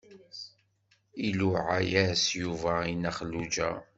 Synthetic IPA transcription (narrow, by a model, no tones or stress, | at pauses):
iluʕajæsjuvæinæχəlːud͡ʒæ̰